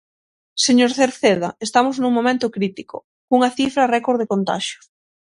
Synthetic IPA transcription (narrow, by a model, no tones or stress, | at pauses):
seɲoɾθeɾθeð̞a̰est̪amoznũŋmõmẽnt̪okɾit̪iko̰ | kuŋɐθifɾarɛkoɾðekont̪a̰ʃjo̥s